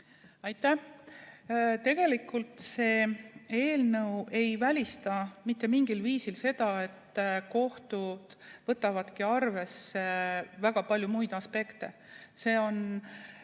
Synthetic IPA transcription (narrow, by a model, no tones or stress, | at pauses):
ɑjt̪ːˑæh | t̪e̞ɡ̥e̞likːˑult̪se̞ːe̞ːlnɤwe̞jvælʲist̪ɑmit̪ˑːe̞miŋɡ̥ilviːsilse̞d̪̥ɑe̞t̪ːko̞ht̪ud̪̥vɤt̪ːˑɑvɑd̪̥kiɑrve̞sevæɡ̥ɑpɑlʲjumujd̪̥ɑspe̞kt̪e̞̰se̞ːo̞n